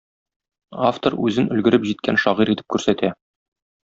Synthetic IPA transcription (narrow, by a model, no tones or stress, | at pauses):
aft̪oɾʉzɘnɵ̆lɡɘ̆ɾɘpʑit̪̚kænʃɒʁiɾit̪ɘ̥p̚kʉɾsæt̪æ